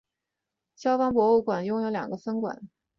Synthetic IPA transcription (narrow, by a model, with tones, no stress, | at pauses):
ɕjɑ˥ʊfɑ˥ŋpwɔ˧˥u˥˩kwa˨˩njʊ˥ŋjo˧˥ʊljɑ̰˨˩ŋɡə˦fə˥nkwa̰˨˩˦n